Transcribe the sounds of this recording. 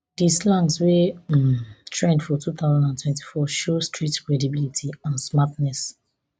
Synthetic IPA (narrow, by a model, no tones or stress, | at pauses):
dislãnswemtʰɹɛ̃ndfɔtʰut̪aʊzãndãntʰwɛ̃nti̥fɔʃostʰɹitkɹɛdibilitʰiãnsmatnɛs